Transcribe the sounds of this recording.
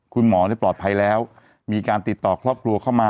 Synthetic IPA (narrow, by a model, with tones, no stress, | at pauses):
kʰu˧nmɔː˩˦daː˥˩jplɔː˨˩t̪̚pʰa˧jlɛː˦˥w | miː˧kaː˧nt̪i˨˩t̪ːɔː˨˩kʰɾɔː˥˩p̚kʰɾu˧əkʰa˥˩wmaː˧